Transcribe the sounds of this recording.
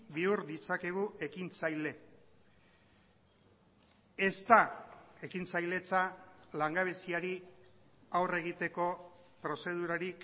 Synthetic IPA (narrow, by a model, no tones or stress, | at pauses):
biuɾd̪it͡sake̞ɣ̞uʔe̞kint͡sajle̞ | e̞st̪ae̞kint͡sajle̞t͡salaŋɡaβ̞e̞siaɾi | awre̞ɣ̞it̪e̞ko̞pɾo̞se̞ð̞uɾaɾik